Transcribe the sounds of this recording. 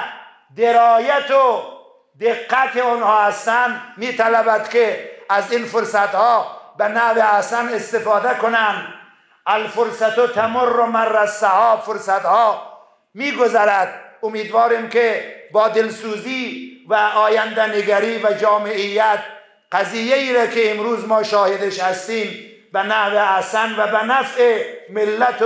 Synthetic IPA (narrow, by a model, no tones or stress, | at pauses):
d̪eɾɒːjat̪o | d̪eqːæt̪eonhɒːhast̪ænd̪miːt̪ʰalæbæd̪keæzinfoɾsæt̪hɒːbenæveæsanest̪ɪfɑːd̪akonænd̪ | ælfʊɾsat̪ot̪ʰamorːomarːassahɒːbfoɾsat̪hɒː | miːɡozæɾæd̪omiːd̪vɒːɾiːmkebɒːd̪elsuːziːvæʔɒːjænd̪æneɡæɾiːvæd͡ʒɒːmeʔijːæt̪̚ | qæzijːeiːɾæːkʰeːmɾuːzmɒːʃɒːhed̪eʃhæst̪iːm | benæhveæsænvæbænæfemɪlːæt̪